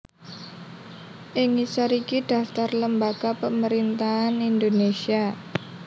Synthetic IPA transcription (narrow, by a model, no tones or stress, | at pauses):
ʔɪŋisaɾikid̥a̤ft̪arləmbaɡ̥apəməɾint̪aɦanind̪onesia